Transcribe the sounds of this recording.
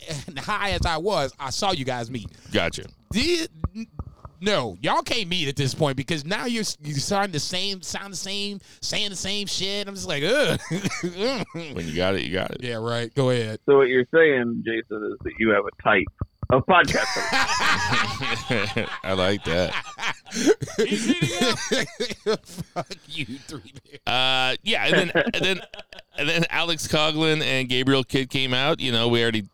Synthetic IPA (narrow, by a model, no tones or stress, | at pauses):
nhaɪɨzaɪwʌzaɪsɔjɨɡaɪzmit̚ɡ̥ɑ̰t͡ʃɨ̰ | d̥ɪ | noʊjɨɔʊkʰeɪmiɾɨt̪̚ðɪspʰɔ̃ɪ̃n̚b̥ɨkʌznaʊjə˞sjə˞stɑɹɾɪ̃ŋðɨsẽɪ̃msãʊ̃nd̪ðəsẽɪ̃m | seɪɪ̃ŋðɨsẽɪ̃mʃɪtnãɪ̃md͡ʒʌstlaɪkʌ | wɨ̰̃njɨ̰ɡɑ̰ɾɨ̰ʔjɨ̰ɡɑ̰ɾɨ̰tjæɹaɪt̚ɡ̥oʊɨɪt̚soʊwʌt͡ʃə˞seɪɪ̃ŋd͡ʒeɪsɨ̃nɪzðɨ̰t͡ʃɨːvɨtʰaɪp̚ʔʌv̥pʰɑd̚kʰæsstə˞ | ʔa̰ɪlaɪk̚ðæ̰t̚ | fʌkjɨθɹiʔʌjæʔɨ̰̃nðɨ̃nɨðɨ̃nɨnðɨ̃næ̰lˠɨkskʰɑɡlɨ̃nɨ̃nɡeɪbɹil̩ˠkʰɪd̚kʰẽɪ̃maʊʔjʔɨnoʊwil̩ˠɹɛɾi